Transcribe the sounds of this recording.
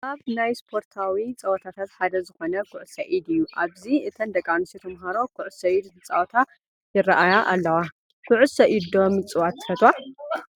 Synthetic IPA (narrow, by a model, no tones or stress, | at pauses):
ʔaβnajspʰo̞ɾt̪ʰawit͡sʼɐwɐt̪ʰat̪ʰat̪ħad̪ɐzɨxo̞nɐkʰʊʕʊsɐʔid̪ɨjːuʔaβziɨt̪ʰɐnd̪ɐkʼanɨsit̪ʰɐmɦaɾo̞kʰʊʕʊsɐid̪hɨt͡sʼa̰wt̪ʰa | jɪrːaʔajaʔa̰lːɐwa | kʰʊʕʊsɐʔid̪o̞mɨt͡sʼɨwat̪ʰːɨ̥fɐt̪wa